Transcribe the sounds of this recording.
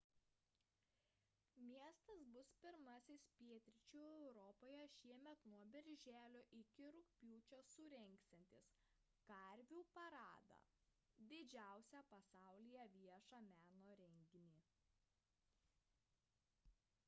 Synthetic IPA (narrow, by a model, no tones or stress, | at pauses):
mʲiɛst̪ɐsbʊspʲɪɾmɐsʲɪspʲiɛt̪ʲɾʲɪt͡ʃʲuːɛʊɾɔpoːjɛʃʲiɛmʲɛt̪nuɔbʲɪɾʲʒʲæːlʲoːʔɪkʲɪɾʊkpʲuːt͡ʃʲosʊɾʲɛŋʲksʲt̪ʲɛnʲt̪ʲɪs | kɐɾʲʋʲuːpɐɾɑːd̪ɐ̰ | d̪ʲɪd͡ʒʲæˑʊsʲæpɐsɑˑʊlʲɪjɛʋʲiɛʃɑmʲæːnoːɾʲɛŋʲɡʲɪnʲiː